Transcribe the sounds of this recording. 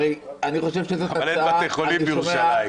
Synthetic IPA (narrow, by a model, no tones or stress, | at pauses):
eaniχo̞ʃe̞vʃezoaaleaaeχolibiʁumʃa